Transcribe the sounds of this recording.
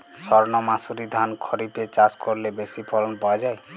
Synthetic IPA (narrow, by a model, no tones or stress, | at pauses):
sɔɾnɔmasuɾid̪ʱankʰɔɾipet͡ʃaskɔɾlebesipʰɔlɔnpɔad͡ʒaj